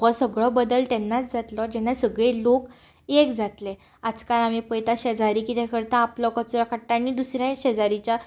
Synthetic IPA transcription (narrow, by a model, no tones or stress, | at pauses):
ɔsəɡɭɔbəd̪əlt̪ɛnːat͡sd͡zʱat̪lɔd͡ʑɛnːasəɡɭelok | ekd͡zʱat̪le | ad͡zkalamipəjt̪aɕəd͡zaɾikit̪ɛkʰəɾt̪aːplɔkət͡suɾakʰəɽʈːañid̪usɾjãɕəd͡zaɾit͡ɕa